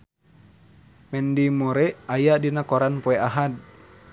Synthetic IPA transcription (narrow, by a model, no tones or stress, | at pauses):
mɛndimoɾɛajadinakɔɾanpoɛaɦad̪̚